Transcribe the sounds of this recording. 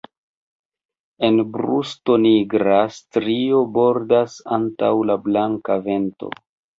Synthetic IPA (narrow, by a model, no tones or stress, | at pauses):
e̞nbɾusto̞niɡɾastɾio̞bo̞ɾdasanta̰wlablaŋkave̞nto̞̰